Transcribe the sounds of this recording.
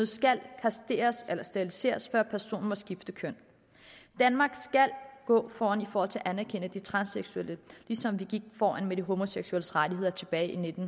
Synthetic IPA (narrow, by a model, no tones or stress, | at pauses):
ð̩ˠsɡ̥ælkʰæsd̥e̝̰ːɐselɐsd̥æb̥ilise̝̰ːɐsfɶɐ̰pʰæɐso̝̰ːn̩mɒ̽sɡ̥ifd̥əkʰøn̰ | d̥ænmɑ̈ːɡ̥sɡ̥ælɡ̥ɔ̰̽ːfɒːænifɒːhɒ̽l̰t͡sʰe̝ɐʔænæɐkʰen̰əd̥it͡sʰʁɑ̈nseɡ̥sueləlisɒ̽mʋiɡ̥iɡ̥̚fɒːænmed̥iɦo̝mo̝seɡ̥sueləsʁadʰiɦe̝ð̰ˠɐt͡sʰe̝b̥ɛːɪʔine̝d̥n̩